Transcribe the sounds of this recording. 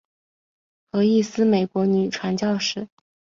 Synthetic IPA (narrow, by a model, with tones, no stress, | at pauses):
xɤ˧˥i˥˩sɹ̩˥me˨˩ɪkwɔ˧˥ny˨˩ʈ͡ʂʰwa˧˥nt͡ɕjɑ˥˧ʊʂɻ̩˥˩